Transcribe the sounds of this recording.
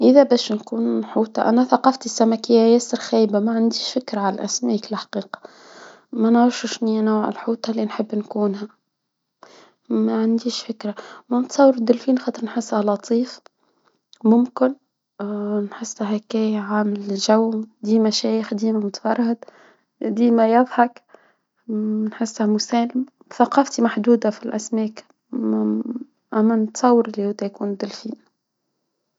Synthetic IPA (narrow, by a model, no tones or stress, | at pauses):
ʔɪðæbæːʃnkuːnħuːt̪ˤɑʔæ̰næθɑqɑft̪isːæmækɪjːajæsːɪɾxæːjbamæʕand̪iːʃfɪkɾaʕalæʔæsmæːklħḁqiːqɑ̥ | mænʕʊʃɪʃninuːʕɪ̰lħuːt̪ˤɑlːinħəbːnkuːnhæ | mæʕand̪iːʃfɪkɾamæmt̪sˤɑwːəɾd̪ɪlfiːnxɑːt̪ˤəɾnħɪsːhælɑt̪ˤʰiːf | mʊmkɪn | nħɪsːæɦækɛːjʕaːmɪlʒawːmd̪iːmæʃɛːjəxd̪iːmæmʊt̪fɑrˤːɪd̪ | d̪iːmæjɑðˤħɑk | nħɪsːhæmʊsɛːləm | θɑqɑːft̪imaħd̪uːd̪afilʔæsmɛːk | ʔæmːænət̪sˤɑwːəɾɪlːihʊd̪æjkuːnd̪ɪlfiːn